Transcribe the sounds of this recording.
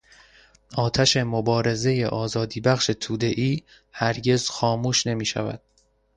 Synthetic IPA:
ʔɒːt̪ʰæʃe̞mobɒːɾe̞ze̞jeʔɒːzɒːd̪iːbæχʃe̞t̪ʰuːd̪e̞ʔiː | hæɾɟe̞zxɒːmuːʃne̞miːʃæ̰væ̰d̪̥̚

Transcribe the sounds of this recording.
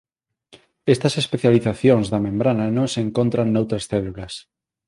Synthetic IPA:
est̪ɐsespeθjaliθaθjoŋzðamẽmbɾananõŋseŋkont̪ɾanːowt̪ɾɐsθɛlulas

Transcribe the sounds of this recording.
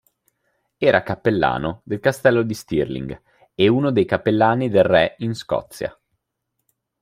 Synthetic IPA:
ɛːɾakapːelːa̰ːnod̪elkast̪ɛlːod̪ist̪irlḭŋɡ | euːnod̪ejkapːelːaːnid̪elrɛinskɔ̰t̪sːja̰

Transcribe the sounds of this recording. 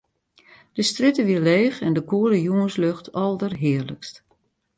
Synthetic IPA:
d̥əstrɪtəʋileːxɛndəkuələjuənsløxtʰɔlˠdərɦɪərləkst

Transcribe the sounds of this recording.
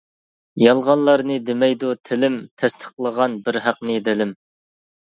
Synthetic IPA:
jɑlˠʁɑnlˠɑɾnɨd̪ɪmɛjd̪ut̪ʰɪlɪmt̪ʰɛst̪ʰə̥qlˠəʁɑnbɪɾɦæqnɨd̪ɪlɪm

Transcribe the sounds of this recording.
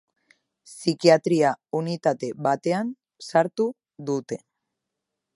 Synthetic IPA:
sikiat̪ɾiaunit̪at̪e̞βat̪e̞an | saɾt̪u | ðut̪e̞

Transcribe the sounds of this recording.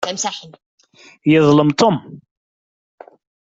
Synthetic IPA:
æmsaħən | jəðˤləmt̪ʊm

